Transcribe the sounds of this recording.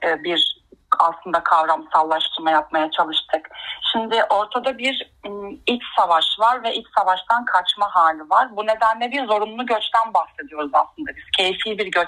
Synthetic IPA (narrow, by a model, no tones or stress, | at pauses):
ɛːbiɾaslˠɯnd̪akʰavɾamsalˠːaʃt̪ʰɯɾmajap̚majat͡ʃʰalˠɯʃt̪ʰɯkʃimd̪ɪʔo̞ɾt̪ʰad̪abiɾ | ilʲcsavaʃvaɾvɛʔilʲcʲsavaʃt̪ʰankʰat͡ʃmaɦaːlʲivaɾbune̞d̪ænlʲɛbiɾzo̞ɾunlˠuɟø̞t͡ʃt̪ʰænbaxse̞d̪ijo̞ɾuza̰slˠɯnd̪abiz̥cʰe̞jfiːbiɾɟø